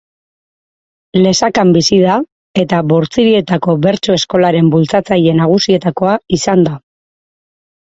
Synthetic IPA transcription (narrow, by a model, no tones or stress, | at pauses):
le̞sakambisið̞a | e̞t̪aβoɾt͡siɾie̞t̪ako̞βe̞ɾt͡soe̞sko̞laɾe̞mbult͡sat͡saje̞naɣ̞usie̞t̪ako̞aisand̪a